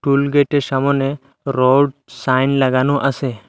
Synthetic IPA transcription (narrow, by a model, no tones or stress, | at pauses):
ʈulɡeʈesamɔne | ɾɔɖsajnlaɡanuʔase